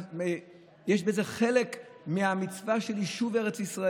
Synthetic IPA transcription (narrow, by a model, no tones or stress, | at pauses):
me | jeʃbeze̞χelekmeamit͡svaʃeliʃuve̞ʁet͡sisʁa